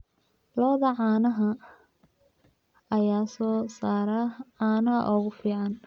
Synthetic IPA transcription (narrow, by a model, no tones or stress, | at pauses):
lɐβɐðɐʕɑːnɐɦɐ | ɐjaːsɔːsaːɾɐʕɑːnɐɦɐ̰ʔɔːɣʊfiːʕɑn